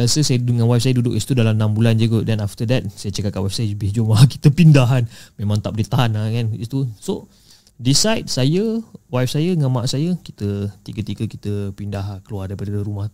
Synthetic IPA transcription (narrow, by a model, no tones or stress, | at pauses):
asəsajəŋanwap̚sajədudʊkist̪udalamnambuland͡ʒuɡodɛnaft̪ədɛt̪̚sajət͡ʃakat̪̚kaʔwɛfsajəbehd͡ʒumaki̥t̪əpindaɦanmẽmãŋt̪ap̚dit̪aɦanakanḭt̪uso | disajt̚sajəwajf̚sajəŋamaʔsajəki̥t̪ət̪iɡət̪iɡəki̥t̪əpindaɦkəluardaipadəəɾumah